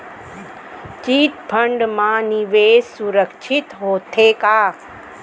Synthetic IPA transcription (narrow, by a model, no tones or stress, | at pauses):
t͡ʃiːt̪pʰəɳɖmãːniʋeːssuɾəkʃʰɪt̪ɦoːt̪ʰekaː